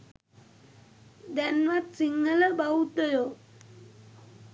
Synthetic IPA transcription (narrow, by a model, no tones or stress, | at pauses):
d̪anʋat̪̚siŋɡələbaut̪əjo